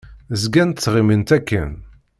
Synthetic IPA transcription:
zɡænt̪t͡sːʁimənt̪ækːə̰n

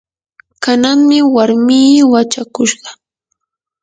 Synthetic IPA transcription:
kanaŋmɪwaɾmiːwat͡ʃakʊʃɢɑ

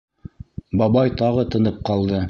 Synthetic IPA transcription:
bɑβɑjt̪ɑʁɤt̪ɤ̆nɤp̚qɑlˠd̪ɤ

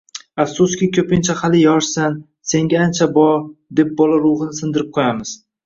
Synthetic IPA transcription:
afsʊskʲɪkʲʰɵpɪnt͡ʃʰahalɪjɒʃsan | se̞ŋɡʲaant͡ʃʰabɒɾd̪e̞p̚bɒlaɾʊʁɨnɪsɪnd̪ɪɾɪp̚qʰojamɪz̥

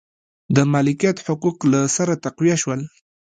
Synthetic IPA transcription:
d̪əmalɪkijat̪ħʊquqlasaɾat̪aqwijaʃwəl

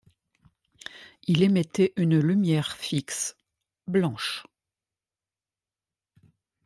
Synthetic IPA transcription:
ilemet̪eʔynlymjɛʁfiks | blɑ̃ʃ

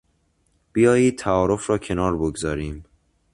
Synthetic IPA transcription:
b̥ijɒːjiːd̪̚t̪ʰːæɒːɾo̞fɾɒːcʰe̞nɒːɾboɡzɒːɾiːm

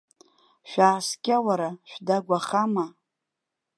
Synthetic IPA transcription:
ʃᶣaːskʲʼawaɾaʃᶣdaɡʷaχama

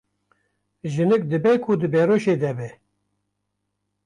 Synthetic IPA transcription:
ʒɨnɨk̚d̪ɨbɛkʰud̪ɨbɛɾoʃeːd̪ɛbɛ

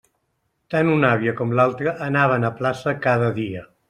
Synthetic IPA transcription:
t̪anunaβ̞iəkɔmlalˠt̪ɾəʔːnaβ̞ənəplasəkaðəðiə

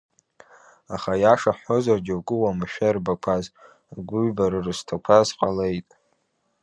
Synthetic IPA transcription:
aχajaʂaħo̞zarɡʲɪwɡʼɨwamɨʃᶣarbakʷʰaz | ɡʷʊɥbaɾɨrztʰakʷʰazqʼale̞jtʼ

